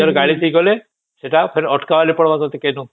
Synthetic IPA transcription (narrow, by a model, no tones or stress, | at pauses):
ɔɾɔɡaɭit̪ʰijɡɔle | seʈapʰeɾɔʈʰkaʋalipɔɽɔbat̪ɔt̪ekenu